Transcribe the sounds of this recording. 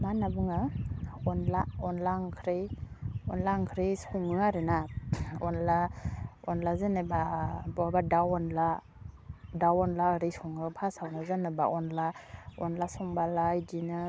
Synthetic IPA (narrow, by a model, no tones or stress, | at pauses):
manabɯŋaɔnlaɔnlaŋkʰɾeɔnlaŋkʰɾisɔŋɯaɾɯnaɔnlaɔnlazenɯbabɔabadawɔnla | dawɔnlaɯɾisuŋɯpʰasawnazanɯba̰ʔɔnlaɔnlasɔŋbalajdinɯ